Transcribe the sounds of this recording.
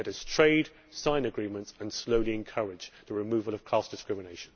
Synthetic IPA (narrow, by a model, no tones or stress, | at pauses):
əɾəz̥tʰɹ̥eɪd̥ | sãɪ̃nəɡɹĩːmə̃ntsə̃nsləʊliɛ̃nkʰʌɹɪd͡ʒðəɹɪmʉːvəlˠəv̥kʰl̥ɑˑsd̥ɪskɹɪmɪneɪʃə̃n